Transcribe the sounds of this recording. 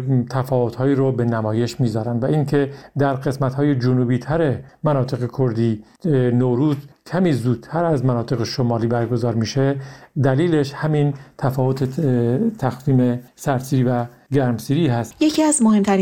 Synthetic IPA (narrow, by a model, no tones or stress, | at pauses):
t̪ʰæfɒːvo̞t̪hɒːiːɾobe̞næmɒːje̞ʃmiːzɒːɾænd̪væʔiːŋcʰe̞d̪æɾɢe̞smæt̪hɒːjed͡ʒonuːbiːt̪ʰæɾemænɒːt̪ʰe̞ɣe̞kʰoɾd̪iː | noɾuːzkʰæmiːzuːd̪̥̚t̪ʰːæɾæzmænɒːt̪ʰe̞ɣeʃomɒːliːbæɾɡozɒːɾmiːʃed̪æliːle̞ʃhæmint̪ʰæfɒːvot̪ʰet̪ʰæxviːmesæɾsiːɾiːvæ | ɡæɾmsiːɾiːhæst̪jecʰiæzmohemt̪ʰæɾ